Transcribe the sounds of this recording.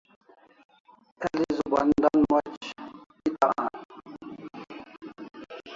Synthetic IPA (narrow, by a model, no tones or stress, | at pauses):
elizubɐnd̪anmɐt͡ɕ | it̪aã̰